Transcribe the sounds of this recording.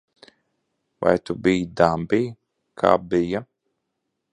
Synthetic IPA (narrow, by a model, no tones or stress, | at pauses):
va̰jt̪ubijd̪ambiː | kʰa̰ːbija